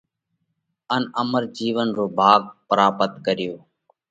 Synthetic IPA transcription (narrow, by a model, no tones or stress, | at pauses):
ənəməɾd͡ʒiːʋənɾoːbʱaːɡ̚pəɾaːpət̪kəɾɪjoː